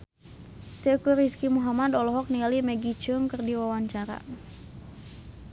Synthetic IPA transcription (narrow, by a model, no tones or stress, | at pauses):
t̪əkuɾiskimuɦamadɔlɔɦɔk̚nialimɛɡit͡ʃuʊŋkɨrdiwawaɲt͡ʃaɾa̰